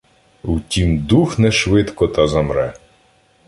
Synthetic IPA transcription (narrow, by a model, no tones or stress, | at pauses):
utʲimd̪uxnɛʃʋɪt̪kɔt̪ɐzɐmɾɛ